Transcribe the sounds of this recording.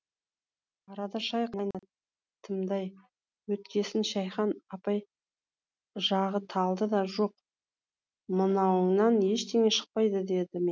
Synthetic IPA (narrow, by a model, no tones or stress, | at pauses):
ɑɾɑd̪ɑʃɑjqʰnɑjnɑ | t̪ʰəmd̪ɑj | wɵt̪̚kʲe̞sɪnʃɑjχɑnɑpɑj | ʒɑʁət̪ʰɑlˠd̪əd̪ɑʒo̞q̚ | mənɑwəŋnɑnje̞ʃt̪ʰe̞ŋe̞ʃə̥q̚pɑjd̪əd̪e̞d̪ɪme